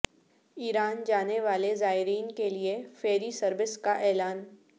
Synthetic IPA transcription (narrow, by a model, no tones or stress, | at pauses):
iːɾaːnd͡ʒaːneʋaːlezaːɪɾiːnkeliefeːɾisɐɾʋɪskaʔɛːlaːn